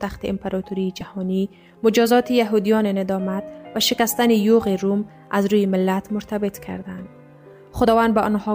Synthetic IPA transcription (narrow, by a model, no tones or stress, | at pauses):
t̪axt̪iɪmpaɾɒt̪uɾiːd͡ʒahɔni | mʊd͡ʒɒzɒt̪ijaɦud̪ijɒnenɪd̪ɒmat̪vaʃɪkast̪anijoɣiɾum | azɾujimɪlːat̪mʊɾt̪ʰabɪt̪kʰa̰ɾd̪and̪ | xʊd̪ɒvand̪baʔɔnhɒ